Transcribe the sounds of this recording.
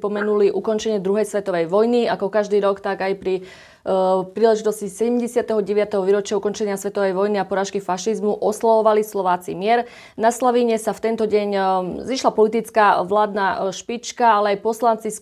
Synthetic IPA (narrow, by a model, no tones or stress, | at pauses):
pɔmɛnuliʔukɔnt͡ʃɛɲɪɛd̪ɾuɦɛjsʋɛt̪ɔʋɛjʋɔjniakɔkaʒd̪iːɾɔkt̪aɡajpɾi | pɾiːlɛʒit̪ɔscisɛɟɛmɟɛsɪat̪ɛɦɔɟɛʋɪat̪ɛɦɔʋiːɾɔt͡ʃɪaukɔnt͡ʃɛɲɪasʋɛt̪ɔʋɛjʋɔjniapɔɾaːʃkifaʃizmuʔɔslaʋɔʋalislɔʋaːt͡simɪɛɾ | naslaʋiɲɛsaft̪ɛnt̪ɔɟɛɲziːʃlapɔlit̪̬it͡skaʋlaːd̪naʃpit͡ʃkaalɛajpɔslant͡si